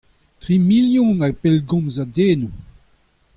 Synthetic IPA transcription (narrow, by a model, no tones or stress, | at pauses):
t̪ʁimiljɔ̃naɡ̚pelɡɔ̃nzadeːnu